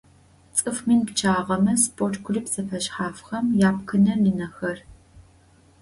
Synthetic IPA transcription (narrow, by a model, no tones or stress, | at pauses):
t͡sʼɨfminpt͡ʃʰaːʁɐmɐspʼortɡʷʰʊriːpzɐfɐʃħaːfxɐmjaːp̚kʰɨnɐlinɐxɐr